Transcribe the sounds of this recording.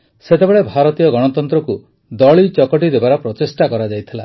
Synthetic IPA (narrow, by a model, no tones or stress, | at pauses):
set̪ebeɭebʱaɾɔt̪ijɔɡɔɽ̃ɔt̪ɔnt̪ɾɔku | d̪ɔɭit͡ʃɔkɔʈid̪ebaɾɔpɾɔt̪esʈakɔɾad͡ʒajt̪ʰila̰